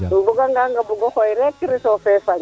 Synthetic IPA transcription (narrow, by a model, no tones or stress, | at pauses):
mbuɡaŋɡaŋɡabuɡɔxoiɾekiɾisofɛfaɲ